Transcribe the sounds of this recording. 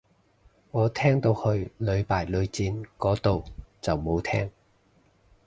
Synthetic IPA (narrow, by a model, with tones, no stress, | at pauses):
ŋɔː˨˧t̪ʰɛː˥ŋt̪o˧whɵ˧ɥlɵ˨˧ɥpaː˨˩jlɵ˨˧ɥt͡siː˧nkɔː˨˥t̪o˨wt͡sɐ˨wmo˨˧wt̪ʰɛ̰ː˥ŋ